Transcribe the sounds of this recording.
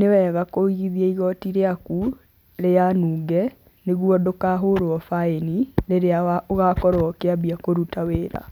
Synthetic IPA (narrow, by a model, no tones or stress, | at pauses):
newɛɣakoiɣiðiɛiɣɔtiɾeaku | ɾejanuːɡɛ | neɣwɔdokaɦoɾoɔfaeniɾeɾeaɣakɔɾoɔkeabiakoɾutaweːɾa̰